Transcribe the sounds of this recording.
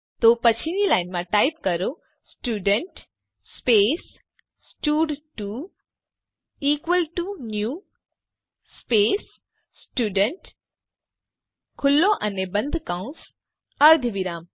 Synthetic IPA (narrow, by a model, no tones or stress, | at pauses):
t̪oːpɐt͡ɕʰinilaːɪnmãʈaːɪp̚kɐɾo | sʈuːɖəɳʈ | speːs | sʈuːɖʈu | iːkʋəlʈunjuː | speːs | sʈuːɖəɳʈ | kʰʊlːoʔɐnebɐ̃nd̪ʱkaũns | ɐɾd̪ʱʋiɾaːm